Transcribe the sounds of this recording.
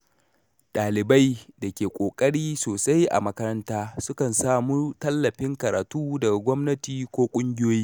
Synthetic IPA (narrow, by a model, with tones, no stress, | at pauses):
ɗaː˨lɪ˨ba˦jdɐ˨kʲeː˨kʷʼoː˨kʼɐ˦ɽiː˦soː˨sa˦jʔa̰˨mɐ˦kɐ˦ɾɐ˦ntaː˦sʊ˦kɐ˨nsaː˦muː˦tɐ˦lːɐ˨ɸɪ˦ŋkɐ˨ɾa̰ː˨tuː˦dɐ˨ɡa˨ɡʷɔ˦mnɐ˦tiː˨kʷoː˦kʷʼʊ˦ŋɡʲɪ˦joː˦jiː˦